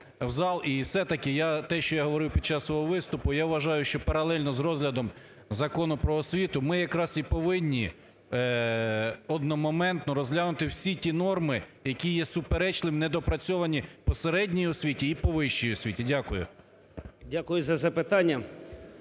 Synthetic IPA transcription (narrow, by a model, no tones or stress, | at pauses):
wzɑlˠiwsɛt̪ɐkɪjat̪ɛʃt͡ʃɔjaɦɔʋɔɾɪwpʲid̚t͡ʃːɑssʋɔɦɔʋɪst̪ʊpʊjaʋʋɐʒɑjʊʃt͡ʃɔpɐɾɐlˠɛlʲnɔzrɔzlʲɐd̪ɔm | zɐkɔnʊpɾɔːsʲʋʲit̪ʊmɪjɐkɾɑsipɔʋɪnʲːi | ɔd̪nɔmɔmɛnt̪nɔɾɔzɦlʲanʊt̪ɪwsʲitʲinɔrmɪ | jɐkʲijɛsʊpeɾɛt͡ʃlˠɪmnɛd̪ɔpɾɐt͡sʲɔʋɐnʲipɔseɾɛdʲnʲijɔsʲʋʲitʲiːpɔʋɪʃt͡ʃijɔsʲʋʲitʲidʲakʊjʊ̰ | dʲakʊjʊzɐzɐpɪt̪ɑnʲːɐ